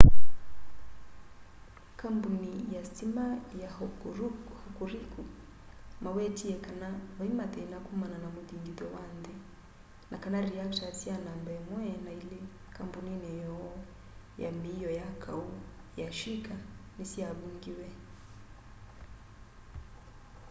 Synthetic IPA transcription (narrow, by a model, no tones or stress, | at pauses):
kambunijasimaja | hukuɾiku | mawɛtiɛkanawimat̪ɛinakumananamuðiŋɡiðɔwandɛ | nʔakanaɾiaktasianambɛmwɛnailɛ | kambuninɛjɔ | ja̰mijɔjakʰaujaʃikanisiaβuŋɡiwɛ